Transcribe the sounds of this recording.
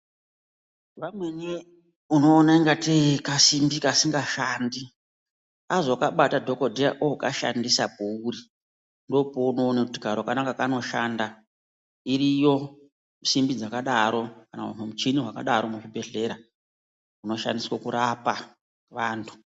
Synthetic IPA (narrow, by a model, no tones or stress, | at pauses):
ʋamweni | uno̞ːnaiŋɡatekasimbikasiŋɡaʃandi | azoakaɓatadʱokodʱeja̰ʔoka̰ʃa̰ndisap̚ouri | ndo̞pouno̞ːnakuti̥karowakanakakano̞ʃanda | iɾijo̞ | msimbid͡zakaɗaɾo̞kana̰umemut͡ʃiniɦwaka̰ɗaɾomuʐibʱe̞ɮe̞ɾa | uno̞ʃa̰ndiswakuɾapa | ʋaːntʰu̥